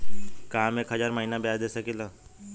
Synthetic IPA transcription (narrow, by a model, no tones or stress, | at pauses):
kaːmekɦɐd͡ʒaːɾməɦinabjaːd̪eːsɐkilaː